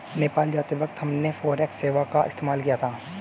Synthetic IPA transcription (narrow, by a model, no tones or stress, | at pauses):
neːpaːld͡ʒaːt̪iʋɐkt̪hɐmnefoːɾɛːkseːʋakaɪ̰st̪eːmaːlkijat̪ʰaː